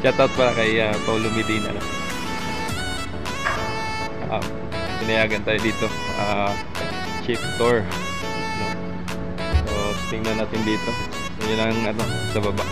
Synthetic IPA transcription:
t͡ʃat̪ʔawt̪̚pɐlakɐjat̪olomɪd̪inʔɐ̰no̰ | ɐ̰m | pɪnɐjaːɡɐnt̪aːjod̪iːt̪o̞ | ʔaː | t͡ʃɪp̚k̪oɹ | no | so | t̪ɪŋnɐnːaːt̪ɪnd̪iːt̪o̞ | jʊnɐŋɐno | sɐbɐbaʔ

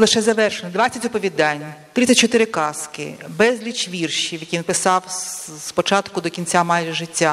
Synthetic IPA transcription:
lˠɪʃɛzɐʋɛrʃenɔd̪ʋat͡sʲːɐtʲɔpɔʋʲid̪ɑnʲːt̪ɾɪt͡sʲɐt̚ʲt͡ʃɔt̪ɪɾɪkɑskɪ̰bɛzʲlʲit͡ʃʋʲirʃiwʋjɐkʲinpɪsɑwspɔt͡ʃɑt̪kʊd̪ɔkʲinʲt͡sʲamɑjʒɛʐɪtʲːa

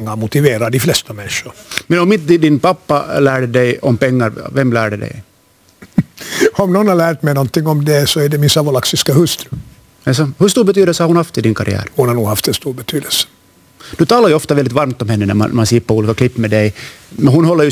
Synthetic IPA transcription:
ŋːaɾmʊt̪ɪveːɾaɖiflɛst̪amɛnʂʊɾmɛnɔmɪnt̪d̪d̪ɪnpɑpːɑlæːɖɛdɛjɔmpɛŋːɑɾvɛmːlæ̰ːɖɛd̪ɛ̰j | ɔmnɔnhaɾɭlæːʈ̪mɛjnɔnt̪ɪŋːɔmd̪ɛsɔæɖɛmɪnsɑvɔlaksɪskahɵst̪ɾʉ | ɛsɔhɵst̪uːɾbɛt̪yːd̪ɛlsəhaɾhʊnhɑft̪ɪd̪ɪŋkɑɾɪ̰æ̰ːɾhʊnhaɾnuːɡhaft̪ɛnst̪uːɾbɛt̪ʰyːd̪əlsə̥ | d̥̪ɵt̪ɑːlaɾjʉɔft̪ɑʋɛld̪ɪt̪ʋɑɾmt̪ɔmhɛnːənæ̰mɑ̰nmɑnsipːəɾuːliːkakʰlɪpːmed̪ɛjmɛnɦʊnɦɔlːəɾjʉ

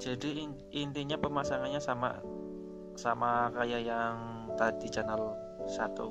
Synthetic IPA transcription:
d͡ʒadi | int̪iɲapəmasaŋanɲasama̰ | samakajajaŋ | t̪ad̪it͡ʃanəl | sat̪ṵ

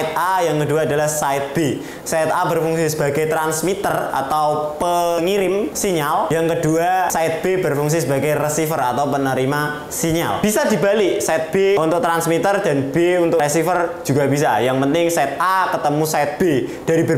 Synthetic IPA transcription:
ɪt̪̚ʔajaŋkəduaːdalahsaɪt̪̚b̥e | saɪt̪̚abərfuŋsisəbaɡajt̪ɾansmit̪əra̰t̪awpəŋiɾɪmsiɲaljaŋkəduasaɪt̪̚b̥ebərfuŋs̬isəbaɡajrəsifəra̰t̪awpənəɾima | siɲa̰lb̥isadi̤balɪʔsaɪt̪̚b̥eunt̪ʊk̚t̪ɾansmit̪ərdanb̥eunt̪ʊrəsifərd͡ʒuɡabis̬ajaŋpənt̪ɪŋsaɪt̪̚ʔakət̪əmusaɪt̪̚b̥ed̥aɾibər

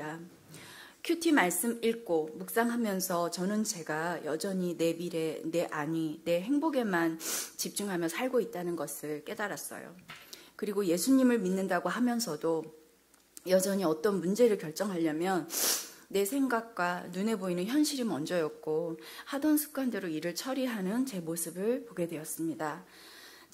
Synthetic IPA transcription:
a | kʰjutʰimaɭs͈ɯmiɭk͈omuk̚s͈aŋɦamjʌnsʰʌt͡ɕʌnɯnt͡ɕe̞ɡajʌd͡ʑʌɲine̞biɾene̞ʔaɲine̞ɦe̞ŋboɡe̞mant͡ɕip̚t͡ɕ͈uŋɦamjʌsʰaɭɡoit̚t͈anɯnɡʌsʰɯɭk͈e̞daɾas͈ʌ̰jo̰kɯɾiɡoje̞sʰuɲimɯɭminːɯndaɡoɦamjʌnsʰʌdo | jʌd͡ʑʌɲiʌt͈ʌnmund͡ʑe̞ɾɯɭkjʌɭt͡ɕ͈ʌŋɦaʎːʌmjʌnː | e̞sʰe̞ŋɡak̚k͈wanune̞boinɯnçjʌnɕʰiɾimʌnd͡ʑʌjʌk̚k͈ohadʌnsʰɯ̥ɡ͈wandeɾoiɾɯɭt͡ɕʰʌɾiɦanɯnt͡ɕe̞mosʰɯbɯɭpoɡe̞dwe̞ʌs͈ɯmɲida | t͡ɕ

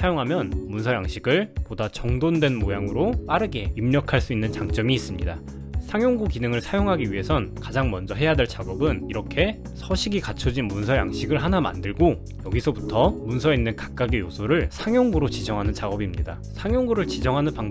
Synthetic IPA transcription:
sʰajoŋɦamjʌnmunsʰʌjaŋɕʰiɡɯɭpodat͡ɕʌŋdondwe̞nmojaŋɯɾop͈aɾɯɡe̞imɲʌkʰaɭs͈uinːɯnt͡ɕaŋt͡ɕ͈ʌmiːs͈ɯmɲida | sʰaŋjoŋɡukinɯŋɯɭsʰajoŋɦaɡiɥiɦe̞sʰʌnkad͡ʑaŋmʌnd͡ʑʌɦe̞jade̞ɭt͡ɕaɡʌbɯniɾʌkʰe̞ | sʰʌɕʰiɡikat͡ɕʰʌd͡ʑinmunsʰʌja̰ŋɕʰiɡɯɭɦanama̰ndɯɭɡo | jʌɡisʰʌbutʰʌmunsʰʌinːɯnkḁk̚k͈aɡijosʰoɾɯɭsʰaŋjʌŋɡuɾot͡ɕid͡ʑʌŋɦanɯnt͡ɕaɡʌbimɲida | sʰaŋjʌŋɡuɾɯɭt͡ɕid͡ʑʌŋɦanɯnpaŋ

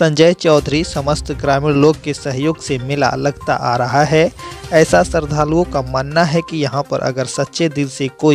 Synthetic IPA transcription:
sɐ̃ɲd͡ʒəjt͡ʃɔːd̪ʱɾisɐməst̪ʰɡɾaːmiloːɡ̚kesɐɦjoːɡsemɪla̰lɐɡt̪a̰ʔaːɾɐɦaɦɛɛːsasɐɾd̪ʱaːluõkamaːnːaɦɛkijɐɦãpɐ̰ɾʔɐ̰ɡəɾsɐt̪ːʃed̪ɪlsekoːi

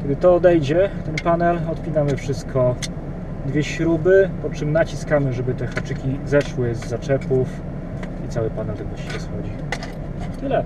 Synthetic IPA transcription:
kʲɛd̪ɘt̪ɔːd̪ɛjd͡ʑɛt̪ɛnpanɛlɔt̪pʲinamɘfʂɘst̪̚kʰɔ | d̪vʲjɛɕɾubɘpɔt͡ʂɘmnat͡ɕiskamɘʐɛbɘt̪ɛxat͡ʂɘkʲizɛʂwɘzːat͡ʂɛpuf | it̪sawɘpanɛlt̪ɛɡ̪ɔɕɛɾɛsxɔd͡ʑi | t̪ɘlɛ

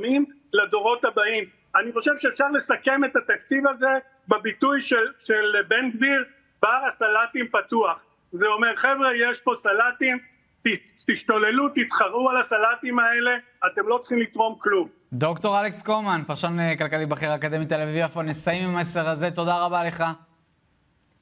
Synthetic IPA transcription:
mim | lad̪o̞ʁo̞t̪habaim | aniχo̞ʃe̞vʃeːfʃaʁle̞sake̞met̪at̪akt͡sivaze̞ | bebit̪ujʃeʃelbendbiʁ | baasalat̪impat̪uaχ | zeo̞meʁχevʁejeʃpo̞salat̪im | t̪i | t̪iʃt̪o̞le̞lut̪it̪χaʁualasalat̪imae̞le̞ | at̪e̞mlo̞t͡sχimlit̪ʁo̞mklum | d̪o̞kt̪o̞ʁalekskomanpaʁʃonekalkalibaχiʁaːkad̪e̞mit̪elaviviafonesajimimaeseʁaze̞t̪o̞daʁabale̞χa

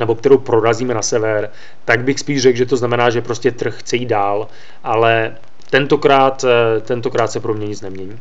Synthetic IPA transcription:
nɛbo̞kt̪ɛɾowpɾo̞ɾaziːmɛnasɛvɛɾ | t̪aɡbɪxspiːʒrɛɡʒɛt̪o̞znamɛnaːʒɛpɾoscɛt̪r̩xːt͡sɛjiːd̪̚daːl | ʔalɛ | t̪ɛnt̪o̞kɾaːt̪ːɛnt̪o̞kɾaːt̪sɛpɾomɲɛɲɪt͡snɛmɲɛɲiː

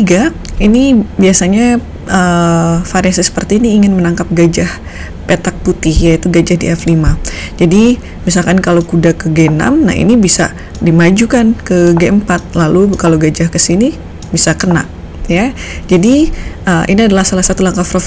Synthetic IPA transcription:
ɡa | inibiasaɲa | əfaɾasisə̥pərt̪iːniːŋɪnmənaŋkap̚ɡad͡ʒah | pet̪ak̚put̪ɪhjait̪uɡad͡ʒahdiaflimad͡ʒadi | mis̬alkankalokudakəɡena̰mna̰hḭnibisa̰ | dimad͡ʒukankəɡeəmpat̪̚lalukaloɡad͡ʒahkəsini | bisakəna̰ʔ | jad͡ʒadiʔəʔḭniadalahsalahsat̪ulaŋkafɾof

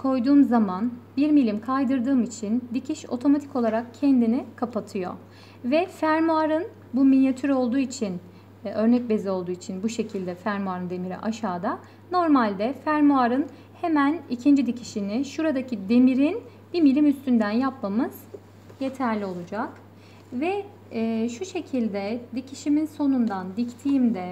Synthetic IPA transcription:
kʰo̞jd̪uːmzamanbiɾmilʲimkʰajd̪ɯɾd̪ɯːmit͡ʃʰind̪icʰiʃo̞̰t̪ʰo̞mat̪ʰi̥ko̞lˠaɾakcʰɛnd̪inikʰapʰat̪ʰɯjo̰ | vɛfæɾmuaɾɯn | buminjat̪ʰyɾo̞lˠd̪uːit͡ʃʰin | ø̞ɾnɛc̚be̞zio̞lˠd̪uːit͡ʃʰinbuʃe̞cʰilʲd̪ɛfæɾmuaɾɯnd̪e̞miɾḭʔaʃaːd̪a | no̞ɾmalʲd̪ɛfæɾmuaɾɯn | hemænicʰind͡ʒid̪icʰiʃiniʃuɾad̪acid̪e̞miɾin | b̥imilʲimyst̪ʰynd̪ænjapmamɯz̥ | jet̪ʰæɾlʲio̞lˠud͡ʒak | vɛː | ʃuʃe̞cʰilʲd̪ɛd̪icʰiʃiminso̞nund̪and̪ict̪ʰijimd̪ɛ

